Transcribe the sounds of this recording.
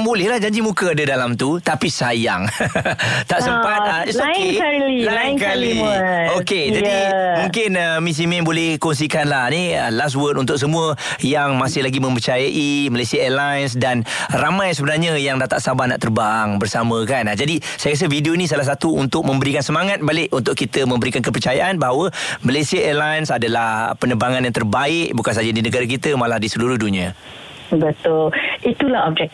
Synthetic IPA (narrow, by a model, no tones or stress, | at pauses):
bolɛhlahd͡ʒaɲd͡ʒimukəadədalamt̪ut̪apisajaŋ | t̪aʔsəmpat̪̚aoklilakalioked͡ʒadimũŋkɪnəmis̬imɛ̃nbolɛhkɔns̬ikanlahniəlas̬wət̪unt̪ʊk̚s̬əmũə | jaŋmasɪhlaɡimə̃mpərt͡ʃajaʔimalajsiaɛlajns̬danramãjsəbənarɲəjaŋdat̪a̰ʔsabana̰ʔt̪ərbaŋbərsamə̃kanad͡ʒadi | sajakas̬əvidionĩs̬alahs̬at̪uunt̪ʊk̚mə̃mbəɾikansəmaŋat̪̚balɪʔunt̪ʊʔkit̪əmə̃mbəɾikankəpərt͡ʃajaʔanbaɦawəməlajsiaəlajənsadalahpənəbaŋanjaŋt̪ərbaɪʔ̚bukansad͡ʒadinəɡaɾak̬it̪əmalahdisəluɾʊhdunia | bət̪ʊlit̪ulahɔb̚d͡ʒɛk̚